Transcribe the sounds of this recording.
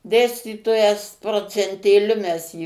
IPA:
ˈdʲeːsʲtʲiːtoːjɛs proːt͡sʲɛnʲtʲeːˈlʲʊ mʲɛs ˈjiː

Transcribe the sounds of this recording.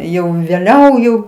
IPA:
ˈjɛʊ ʋʲeːˈlʲɛʊ jɛʊ

